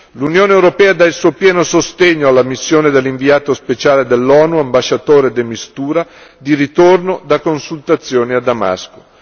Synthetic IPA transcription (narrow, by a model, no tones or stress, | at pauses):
lunjoːnewɾopɛːad̪ailsuːopjɛːnosost̪eɲːoalːamisːjoːned̪elːiɱviaːt̪ospet͡ʃaːled̪elːɔːnuambaʃːat̪oːɾed̪emist̪uːɾa | d̪iɾit̪ornod̪akːonsult̪at̪sːjoːniad̪ːama̰sko̥